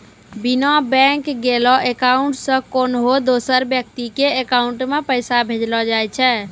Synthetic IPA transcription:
binabɛ̃ŋkɡelɔʔekauɳʈsə̃konɦod̪osəɾbjək̚t̪ikeːkauɳʈmepəjsabʱed͡ʒlɔd͡ʒajt͡ʃʰɛ

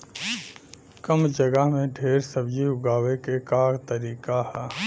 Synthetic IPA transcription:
kəmd͡ʒəɡəɦmẽɖʱeːɾsəbjiʊɡaːwekekaːɡt̪əɾiːkaɦɛː

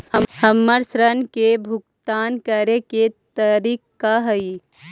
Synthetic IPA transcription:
həmːəɾsɾənkebʱʊkt̪aːnkəɾeket̪əɾikːaɦəi

